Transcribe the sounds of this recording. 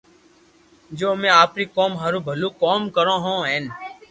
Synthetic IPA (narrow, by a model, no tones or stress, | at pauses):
d͡ʒoːmẽːaːpɾiːkoːmɦaːɾuːbʱəluːkoːmkəɾõːɦõːɦeːn